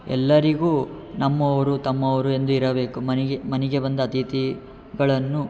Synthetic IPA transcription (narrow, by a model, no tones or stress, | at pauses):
ɛ̰lːɐɾiɡuːnɐmːɐʋɐɾut̪ɐmːɐʋɐɾue̞nd̪uiɾɐbe̞ːkumɐnmɐnɛɡe̞bɐnd̪ɐːt̪it̪i | ɡɐɭɐnːu